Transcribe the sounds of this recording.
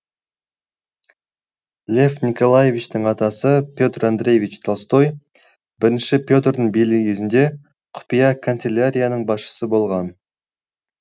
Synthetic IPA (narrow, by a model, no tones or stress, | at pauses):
lʲe̞fnʲiko̞lˠajevʲit͡ʃt̪ɪɴɑt̪ɑsəpʲjo̞t̪rand̪re̞jvʲit͡ʃt̪ʰolˠst̪o̞j | bɪɾɪnʃɪpʲjo̞t̪rd̪əɴbijlɪkʲʰe̞zɪnd̪e̞ | qʰʊ̥pijɑkʰont̪selʲaɾʲijanəɴbɑsʃə̥səbo̞lˠʁɑn